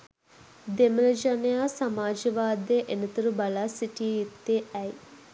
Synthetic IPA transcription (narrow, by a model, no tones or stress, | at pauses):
d̪emɐlɐd͡ʒɐnejaːsɐmaːd͡ʒɐʋaːd̪eːʔenit̪ɐɾubɐlasiʈijit̪ːeʔɐj